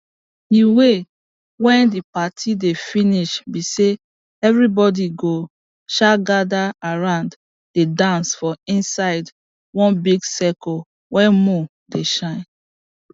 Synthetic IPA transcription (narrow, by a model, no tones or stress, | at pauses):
iwe | wɛ̃ndipatʰidefiniʃbise | ɛvɹibɔdiɡo | ʃaɡadaaɹãʊ̃nd | d̥edãnsfɔĩnsaɪd | wɔ̃nbiɡsɛkɔ | wɛ̃mũ | deʃãɪ̃n